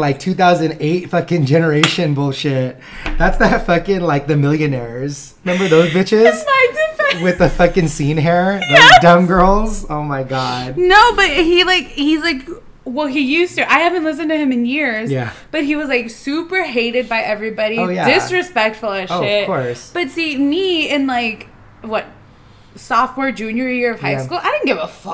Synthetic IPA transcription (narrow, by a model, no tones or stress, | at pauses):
laɪk̚tʰʉθaʊzɨ̃n̩eɪtfʌkɨ̃nd͡ʒɛnə˞eɪʃɨ̃nbʊlˠʃɪt̚ðætsðɨtfʌkɪ̃nlaɪk̚ðɨmɪlˠjɨnɛɹz̥ | mɛ̃mbə˞ðoʊzbɪt͡ʃɪz̥aɪdɪfwɪðɨfʌkɨ̃nsĩnɦɛɹðaɪk̚d̥ʌ̃mɡɜ˞lˠzoʊmaɪɡɑd̥̚noʊbʌt̚hilaɪkhizlaɪk | wɛlˠijʉstɨʔaɪhævɨ̃nʔˡlɪs̬ɨ̃ntɨɨ̃mɨ̃njɪɹzjæb̥ʌt̚ɦhiwʌzlaɪksʉpə˞ɦeɪɾɨd̚baɪʔɛvɹibɑɾiʊjjædɪsɹɨspɛk̚tfl̩ˠɨoʃʊɪt̚kɔɹɹsb̥ʌtsimiɪ̃nlaɪk | wʌt̚ | sɔft̚wɛɹd͡ʒʉ̃njə˞jɪɹʌv̥ɦaɪskulˠaɪɾɪdⁿn̩ɡɪvəfʌ